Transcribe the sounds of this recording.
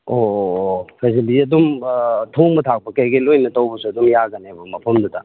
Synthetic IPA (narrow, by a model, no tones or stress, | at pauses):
o | kʰajzɐliɐdumtʰoŋmɐtʰak̚pɐkɐjɡilojnɐtɐwbɐsuɐdumjaɡɐnebɐmɐpʰɐmdutʰa̰